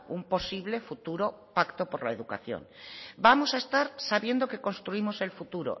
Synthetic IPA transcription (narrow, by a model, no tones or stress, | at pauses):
umpo̞siβ̞le̞fut̪uɾo̞ | pakt̪opoɾlaeðuka̰θjo̰ŋbamo̞saest̪aɾsaβje̞nd̪oke̞ko̞nst̪ɾuimose̞lfut̪uɾo̰